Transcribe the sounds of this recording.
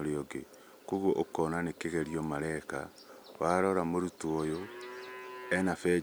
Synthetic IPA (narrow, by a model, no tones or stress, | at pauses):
oɾeoɡe | koɣoʔokɔnanekeɣeɾiɔmaɾɛka | waɾɔɾamoɾutuojo | ɛnafɛ